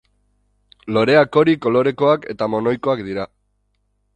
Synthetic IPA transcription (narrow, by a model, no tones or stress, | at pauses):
lo̞ɾe̞ako̞ɾiko̞lo̞ɾe̞ko̞ake̞̰t̪amo̞no̞jko̞akd̪iɾa